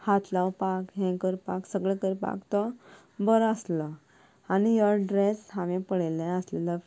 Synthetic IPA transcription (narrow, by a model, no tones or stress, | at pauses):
hat̪lawpakɦɛ̃kəɾpaksəɡɭɛ̃kəɾpa̰kt̪ɔ | bəɾəsla | anijəɾɖɾeshãʋẽpəɽelẽəslɛlə